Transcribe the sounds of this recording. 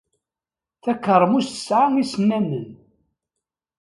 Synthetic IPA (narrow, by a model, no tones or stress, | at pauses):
θækːəɾˤːəmust̪ə̥sʕaŋisnːæmən